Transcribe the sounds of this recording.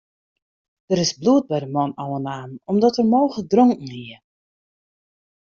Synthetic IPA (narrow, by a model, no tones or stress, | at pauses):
d̥əɾɪsbluət̚bɛjdəmɔnɔwənaːnɔmdɔtərmoːɣədrɔŋkŋ̩iə